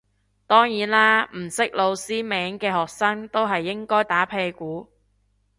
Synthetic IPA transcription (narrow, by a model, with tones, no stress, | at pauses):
t̪ɔː˥ŋjiː˨˥nlaː˥m̩˨˩sɪ˥k̚lo˨˧wsiː˥mɛː˨˥ŋkɛː˧ɦɔː˨k̚sɐː˥ŋt̪o˥wɦɐ˨jːɪ˥ŋkɔː˥jt̪aː˨˥pʰe˧kuː˨˥